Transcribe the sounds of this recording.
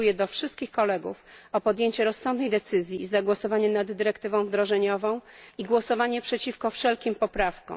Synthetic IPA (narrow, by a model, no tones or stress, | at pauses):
ujɛd̪ɔfʂɘst̪kʲixkɔlɛɡṵfɔpɔd̪jeɲt͡ɕɛɾɔsːɔ̃nd̪nɛjd̪ɛt̪sɘzʲjizaɡwɔsɔvaɲɛnad̪ːɘɾɛkt̪ɘvɔ̃w̃vd̪ɾɔʐɛɲɔvɔ̃w̃iɡwɔsɔvaɲɛpʂɛt͡ɕifkɔfʂɛlkʲimpɔpɾafkɔ̰̃w̃